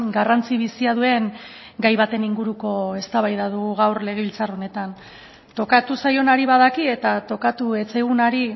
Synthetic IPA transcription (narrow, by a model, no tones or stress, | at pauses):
ɡarant͡siβ̞isiaðue̞ŋ | ɡajβat̪e̞niŋɡuɾuko̞e̞st̪aβajðaðuɣ̞uɣawrle̞ɣe̞βilt͡saro̞ne̞t̪an | t̪o̞kat̪usajo̞naɾiβað̞akie̞t̪at̪o̞kat̪ue̞t͡sejɣ̞unaɾi